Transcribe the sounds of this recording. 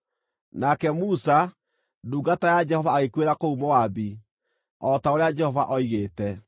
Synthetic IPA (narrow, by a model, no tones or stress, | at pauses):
nakɛmusa | duːɡatajad͡ʒɛhɔvaːɣekweɾakoumowabi | ɔtaoɾead͡ʒɛhɔvaʔɔiɣeːtɛ